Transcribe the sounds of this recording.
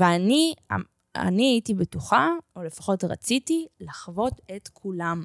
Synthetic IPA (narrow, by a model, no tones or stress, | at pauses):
veania | a̰niaitibetuχaole̞fḁχo̞tʁa̰t͡sitilaχvo̞tetkʰulam